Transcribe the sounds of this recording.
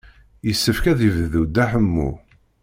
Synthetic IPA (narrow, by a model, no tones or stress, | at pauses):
jəsːəfkæðivðud̪ːæħəmːṵ